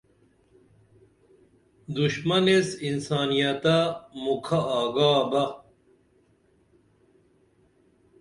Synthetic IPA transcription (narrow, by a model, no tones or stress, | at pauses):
d̪uɕmɐnesinsaːnijɐt̪amukʰaaːɡaːbɐ